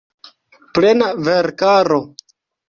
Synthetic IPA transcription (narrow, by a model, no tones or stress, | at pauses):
plenaveɾkaɾo